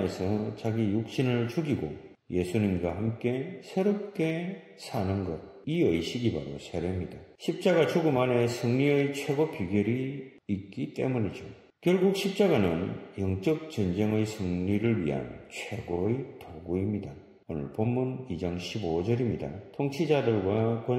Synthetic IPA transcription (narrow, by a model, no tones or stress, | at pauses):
esʰʌt͡ɕaɡijuk̚ɕ͈inɯɭt͡ɕuɡiɡo | je̞sʰuɲimɡwahamk͈e̞sʰe̞ɾop̚k͈e | sʰanɯnɡʌd̚iʌiɕʰiɡibaɾosʰeɾemɲidaɕʰip̚t͡ɕ͈aɡat͡ɕuɡɯmane̞sʰɯŋɲiɯjt͡ɕʰwe̞ɡopiɡjʌɾiː | k͈it͈e̞̰muɲid͡ʑo | kjʌɭɡuk̚ɕʰip̚t͡ɕ͈aɡanɯnjʌŋt͡ɕ͈ʌk̚t͡ɕʌnd͡ʑeŋɯjsʰɯŋɲiɾɯɭɥḭɦa̰nt͡ɕʰwe̞ɡojtoɡuimɲida | onɯ̰ɭpomːunid͡ʑaŋɕʰibod͡ʑʌɾimɲida̰tʰoŋt͡ɕʰid͡ʑadɯɭɡwakwʌ